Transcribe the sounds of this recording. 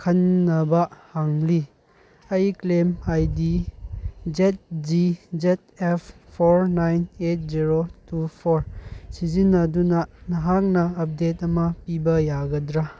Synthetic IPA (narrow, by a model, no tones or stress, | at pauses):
kʰɐnːɐbɐhaŋli | ajklemajdi | zet̚d͡ʒizet̚epʰpʰːoɾnajnet̚ziɾotupʰoɾsizinːɐdunɐnɐɦak̚nɐːp̚detɐmɐpibɐjaɡɐdɾa